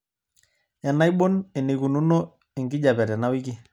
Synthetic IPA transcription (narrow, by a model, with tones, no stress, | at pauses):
ja˨na˦i˦ɓo˦nɛ˨ne˨ku˨nu˦no˦ | ɪ˨ŋɡɪ˦d͡ʒa˨pɛ˨tɛ˨na˦wɪ˦ki˦